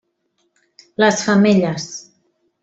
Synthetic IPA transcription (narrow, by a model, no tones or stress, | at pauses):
ləsfameʎas